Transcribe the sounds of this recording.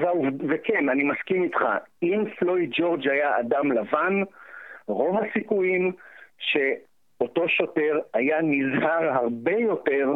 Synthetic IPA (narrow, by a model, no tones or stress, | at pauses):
vauvvekenanimaskimitχa̰imflo̞idd͡ʒo̞ʁd͡ʒhajaa̰damlavan | ʁo̞vasikujimʃe̞ | o̞to̞ʃo̞te̞ʁajanizhaʁɦaʁbe̞jo̞te̞ʁ